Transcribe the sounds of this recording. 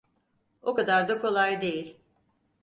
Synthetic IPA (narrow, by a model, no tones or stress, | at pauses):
okad̪aɾd̪akʰo̞lˠajd̪e̞jilʲ